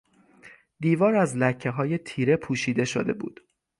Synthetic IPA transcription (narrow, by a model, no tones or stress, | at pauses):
d̪iːvɒːɾæzlæcʰːe̞ɦɒːje̞t̪ʰiːɾe̞pʰuːʃiːd̪e̞ʃod̪e̞̰bṵːd̪̥